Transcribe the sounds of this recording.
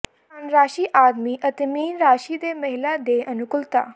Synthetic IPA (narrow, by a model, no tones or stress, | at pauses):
ənɾaːʃiːʔaːd̪miːʔət̪emiːnɾaːʃiːd̪eːməɦɪlaːd̪eːʔənʊkʊlt̪a̰ː